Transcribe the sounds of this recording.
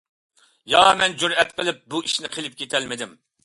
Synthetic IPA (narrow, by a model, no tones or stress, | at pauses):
jɑmɛnd͡ʒuɾɛt̪̚qʰəlˠɪp̚buiʃnɪqʰelɪp̚kʲʰet̪ʰɛlmɪd̪ɪm